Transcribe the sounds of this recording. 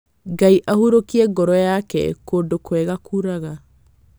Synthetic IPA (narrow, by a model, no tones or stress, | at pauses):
ɡaiʔahuɾokiɛɡɔɾɔjakɛ̰kodokwɛɣakuɾaɣa